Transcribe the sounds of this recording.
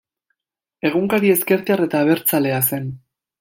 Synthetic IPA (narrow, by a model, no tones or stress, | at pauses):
e̞ɣ̞uŋkaɾie̞ske̞ɾtare̞t̪aːβ̞e̞ɾt͡sale̞ase̞n